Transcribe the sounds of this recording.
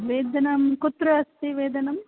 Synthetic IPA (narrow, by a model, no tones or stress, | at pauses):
ʋeːd̪ɐnɐmkut̪ɾɐɐst̪iʋeːd̪ɐnɐm